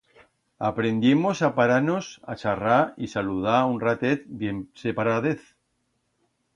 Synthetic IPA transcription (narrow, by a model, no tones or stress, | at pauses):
apɾe̞nd̪jemosapaɾanosa̰t͡ʃaraisaluð̞aunrat̪et̪̚bjemsepaɾaðeθ